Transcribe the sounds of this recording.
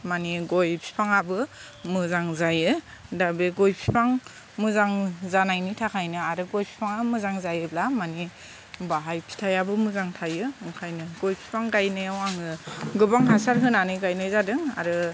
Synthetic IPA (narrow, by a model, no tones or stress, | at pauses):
maniɡojpʰi̥pʰaŋabɯ | mɯzaŋzajɯ | dabeɡojpʰi̥pʰaŋ | mɯzaŋzanajnitʰakʰajnɯaɾɯɡojpʰi̥pʰaŋamɯzaŋzajɯblamani | baɦajpʰi̥tʰajabɯmɯzaŋtʰajɯɯŋkʰajnɯɡojpʰi̥pʰaŋɡajnɯjawaŋɯɡɯbaŋɦasaɾɦɯnanɯjɡajnɯjzadɯŋa̰ɾɯ